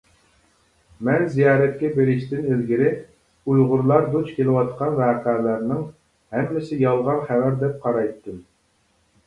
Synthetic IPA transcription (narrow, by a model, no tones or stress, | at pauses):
mɛnzijɑːɾɛt̪̚kʲɛbeɾɪʃt̪ɪnezɡʲiɾɪ | ujʁʊɾlˠɑɾd̪ut͡ʃkʲelɪwɑt̪qʰɑnvæːqæːlæɾnɪŋ | hɛmːɪsɪjɑlˠʁɑnχævæɾd̪ɛp̚qʰɑɾɑjt̪ːɨm